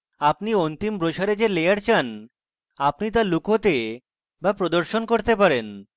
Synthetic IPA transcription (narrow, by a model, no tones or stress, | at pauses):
apniont̪imbɾoʃaɾed͡ʑelejaɾt͡ɕʰan | apnit̪alukɦot̪e | bapɾod̪oɾʃonkoɾt̪epaɾen